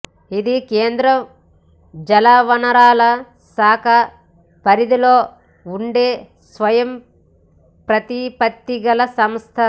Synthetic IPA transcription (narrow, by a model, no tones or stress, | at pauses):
id̪ikeːnd̪ɾɐm | d͡ʒɐlaːʋɐnɐɾaːlɐ | saːkʰɐ | pɐɾid̪ilo̞ː | uɳɖeː | sʋɐjɐm | pɾɐt̪ipɐt̪ːiɡɐlɐsɐmst̪ʰɐ